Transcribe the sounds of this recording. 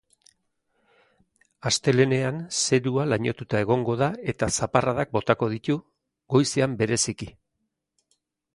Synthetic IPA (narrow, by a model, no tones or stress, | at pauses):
ast̪e̞le̞ne̞anse̞ɾualaɲo̞t̪ut̪ae̞ɣ̞o̞ŋɡo̞ðae̞t̪asaparaðak̚bo̞t̪ako̞ðit̪u | ɡo̞jse̞ambe̞ɾe̞siki